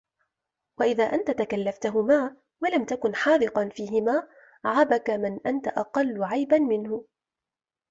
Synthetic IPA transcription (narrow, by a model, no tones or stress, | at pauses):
waʔɪðaːʔant̪at̪akalːaft̪aɦʊmaː | walamt̪akʊnħɑːðɨqɑnfiːɦɪmaː | ʕabakamɪnʔant̪aʔɑqɑlːʊʕajbanmɪnhʊ